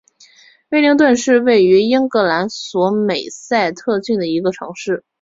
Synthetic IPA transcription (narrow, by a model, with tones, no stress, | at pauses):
wɪli˧˥ŋt̪̬wə˥˧nʂɻ̩˥˧we˥˩ɪy˧˥i˥ŋkɤ˧˥la˧˥nswɔ˧˥me˨˩ɪsa˥˧ɪt̪ʰɤ˥˧t͡ɕy˥˩nd̪ə˩i˧˥ɡə˧ʈ͡ʂʰɤ̰˧˥ŋʂɻ̩˥˩